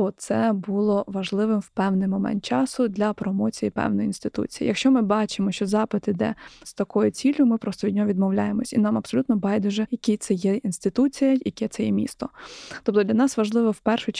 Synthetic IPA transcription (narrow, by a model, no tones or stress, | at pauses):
ɔt̪sɛbulˠɔʋɐʒlˠɪʋɪmwpɛwnɪjmɔmɛ̰nt̪̚t͡ʃɑsʊd̪lʲɐpɾɔmɔt͡sʲijipɛ̰wnɔjinst̪ɪt̪ṵt͡sʲi̥jḭjɐkʃt͡ʃɔmɪbɑt͡ʃɪmɔʃt͡ʃɔzɑpɪt̪ɪd̪ɛ̰st̪ɐkɔjʊt͡sʲilʲjʊmɪpɾɔst̪ɔid̪ʲnʲɔɦɔʋʲid̪mɔwlʲajemɔsʲinɑmɐpsɔlʲut̪nɔbɑjd̪ʊʒɛjɐkʲit̪sɛjɛinst̪ɪt̪ut͡sʲijɐjɐkɛt̪sɛjɛmʲḭst̪ɔt̪ɔp̚t̪ɔdlʲɐnɑsʋɐʒlˠɪʋɔwpɛrʃʊ